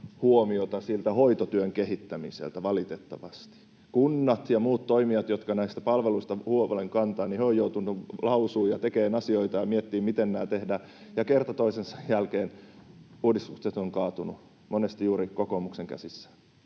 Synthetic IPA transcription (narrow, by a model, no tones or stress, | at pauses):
huomiot̪ɑsilt̪æhoit̪ot̪yøŋkehit̪ːæmḭsḛlt̪æʋɑlit̪et̪ːɑʋɑst̪i̥ | kunːɑt̪jɑmuːt̪toimiɑt̪jot̪kɑnæist̪æ̥pɑlʋeluist̪ɑhuoleŋkɑnt̪ɑːnnihøojout̪unːulɑusuːjɑt̪ekeːnɑsioit̪ɑjɑmiet̪ːiːmit̪ennæːt̪ehdæː | jɑkert̪ɑt̪oisensɑjjælkeːn | uːdist̪ukset̪oŋkɑːt̪unu | monest̪ijuːɾikokomukseŋkæ̰sisːæ̥